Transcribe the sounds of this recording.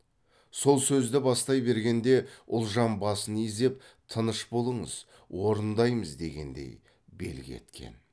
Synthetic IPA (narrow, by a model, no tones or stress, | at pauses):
so̞lˠsɵzd̪ɪbɑst̪ɑjbe̞ɾɡʲe̞nd̪e̞ʊ̰lˠʒɑnbɑsənizd̪e̞p̚ | t̪ʰənəʃbo̞lˠəɴəz | wo̞ɾənd̪ɑjməzd̪e̞ɡʲe̞̰nd̪e̞̰j | be̞̰lɡʲɪe̞̰t̪kʲʰe̞̰n